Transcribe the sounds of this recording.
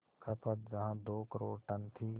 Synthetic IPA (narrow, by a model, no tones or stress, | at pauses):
kʰəpət̪d͡ʒɐɦãːd̪oːkəɾoːɾʈənt̪ʰiː